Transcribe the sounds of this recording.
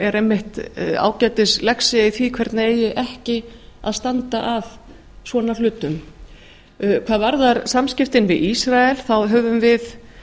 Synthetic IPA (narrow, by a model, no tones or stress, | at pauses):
ɛɾemːɪht̪a̰ːwcɛːjt̪ɪslɛksɪiθvikʰvɛɾt̪naeːjʏʔɛhcɪ | a̰ðst̪ant̪aʔav | svɔːnalʏːt̪ʏm | kʰvaːðvaɾðaɾsamscɪft̪ɪnvɪðisɾaɛlθawɦœːvʏmvɪθ